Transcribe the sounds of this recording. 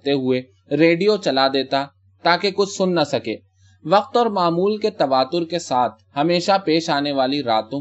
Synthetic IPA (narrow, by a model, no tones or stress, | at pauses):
t̪eɦʊe | ɾeːɖijot͡ʃɐlad̪eːt̪a | t̪aːkekʊt͡ʃʰsʊnːɐsɐkeː | ʋɐqt̪ɔːɾmaːmuːlket̪ɐʋaːt̪ʊɾkesaːt̪̚ʰhɐmeːʃapeːʃaːneʋaːliɾaːt̪õ